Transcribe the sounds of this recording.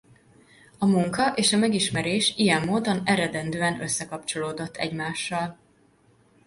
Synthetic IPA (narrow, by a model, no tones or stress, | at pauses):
ɒmuŋkɒʔeːʃɒmɛɡiʃmɛɾeːʃijɛmːoːd̪o̞nɛɾɛd̪ɛnd̪øːɛnøsːɛkɒp̚t͡ʃo̞loːd̪o̞t̪ːɛ̰ɟmaːʃːɒl